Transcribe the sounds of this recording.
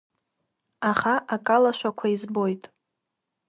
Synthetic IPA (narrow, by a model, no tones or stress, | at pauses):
aχaʔakʼalaʃʷᶣakʷʰaizbo̞jtʼ